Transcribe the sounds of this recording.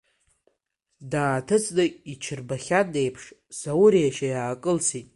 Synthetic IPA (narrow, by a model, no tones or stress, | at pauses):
daːtʰɨt͡sʼdɨit͡ʃʰɨrbaχʲadejpʰʂsawɾiaʃajaːkʼɨlsitʼ